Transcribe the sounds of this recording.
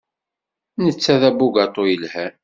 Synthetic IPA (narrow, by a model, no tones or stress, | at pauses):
nət͡sːæðæbuɡɑt̪ˤojəlhæ